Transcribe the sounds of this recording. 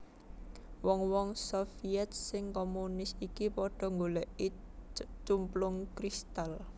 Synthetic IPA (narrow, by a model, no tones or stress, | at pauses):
wɔŋwɔŋsofiɛt̪̚sɪŋkomunɪsikipɔɖ̥ɔ̤ŋɡolɛʔi | t͡ʃumplʊŋkɾist̪al